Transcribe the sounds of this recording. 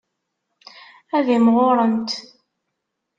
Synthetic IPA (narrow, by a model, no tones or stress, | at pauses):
æðimʁoɾˤənt̪